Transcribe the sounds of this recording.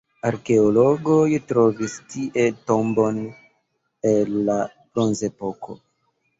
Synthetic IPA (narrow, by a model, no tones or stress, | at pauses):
aɾke̞oloɡojtɾo̞vistiʔe̞tombo̞n | enːa | pɾonze̞po̞ko̰